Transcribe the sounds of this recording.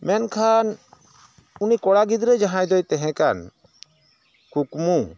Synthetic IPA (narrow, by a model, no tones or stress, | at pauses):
mɛnkʰan | unikɔɽaɡid̪ɾɛd͡ʒaɦãjd̪ɔjt̪ɛɦɛ̃kan | kukmu